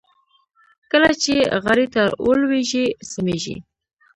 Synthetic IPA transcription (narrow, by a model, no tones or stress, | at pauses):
kəlat͡ʃeɣaɾit̪aɾo̰lweʒisameʒḭ